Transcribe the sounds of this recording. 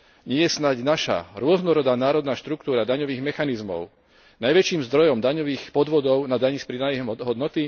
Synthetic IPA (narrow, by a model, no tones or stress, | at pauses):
ɲɪɛjɛsnaɟnaʃa̰ɾʊɔznɔɾɔd̪aːnaːɾɔd̪naːʃt̪ɾukt̪uːɾad̪aɲɔʋiːɣmɛxanizmɔ̰ʊ | najʋɛt͡ʃiːmzd̪ɾɔjɔmd̪aɲɔʋiːxpɔd̪ʋɔd̪ɔʊnad̪aɲispɾid̪ajmɦɔd̪nɔt̪i